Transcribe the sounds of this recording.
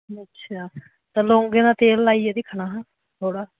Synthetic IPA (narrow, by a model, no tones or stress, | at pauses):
ətːʃʰaː | t̪ãːlõːŋɡeːnaːt̪eːlːaːieːd̪ɪkʰɳaːɦãː | t̪ʰoːɽaː